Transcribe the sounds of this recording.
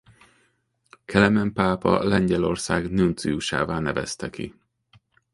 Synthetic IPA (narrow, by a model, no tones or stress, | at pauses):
kʰɛlɛmɛmpaːpɒ̰lɛɲɟɛlo̞rsaːɡnunt̪siuʃa̰ːvaːnɛvɛ̰st̪ɛkḭ